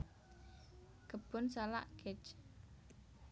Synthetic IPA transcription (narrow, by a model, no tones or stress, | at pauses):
ɡ̥əb̥ʊ̤nsala̰ʔɡ̥ɛt͡ʃ